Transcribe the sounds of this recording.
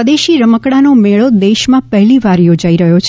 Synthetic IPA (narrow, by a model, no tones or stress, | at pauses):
əd̪eʃiɾəməkɽanomeɭod̪eʃmãpəɦɛliʋaɾjod͡ʒaiɾəɦjot͡ʃʰ